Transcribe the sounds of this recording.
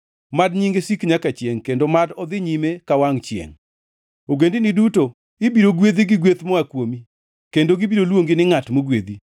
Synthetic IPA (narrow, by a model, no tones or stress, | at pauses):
madɲiŋɡesikɲakat͡ʃjeŋkendomadɔd̪ɪɲimekawaŋt͡ʃjḛŋ | oɡendɪnɪduto | ɪbiɾoɡwed̪iɡɪɡwet̪mɔakwomi | kendoɡibiɾolwoŋɡɪnɪŋatmoɡwed̪i